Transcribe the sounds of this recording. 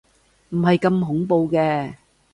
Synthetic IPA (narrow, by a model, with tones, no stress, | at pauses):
m̩˨˩ɦɐ˨jkɐ˧mɦʊ˨˥ŋpo˧wkɛː˧